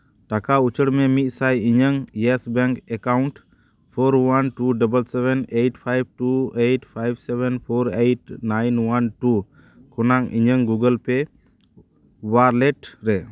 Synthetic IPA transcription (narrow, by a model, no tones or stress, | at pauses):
ʈakaut͡ʃʰəɽmɛmit̪̚ˀsajiɲəŋjɛsbɛŋkɛkauɳʈ | pʰoɾwanʈuɖəbəlsɛbɛnejʈpʰajb̚ʈuejʈpʰajbsɛbɛnpʰɔɾejʈnajnwanʈu | kʰɔnaŋḭɲəŋɡuɡəlpɛ | waɾlɛʈɾɛ